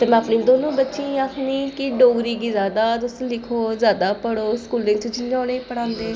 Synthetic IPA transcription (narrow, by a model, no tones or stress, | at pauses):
t̪eːmɛ̃ːpnĩːd̪oːnõːbətːʃĩːaːkʰniːkɪɖoːɡɾiːɡiːzjaːd̪aːt̪ʊsẽːlɪkʰoːzjaːd̪aːpəɽoːskuːlɪ̃ŋɡt͡ʃʊt͡ʃɪnd͡ʒãːneːpəɽãːnd̪eː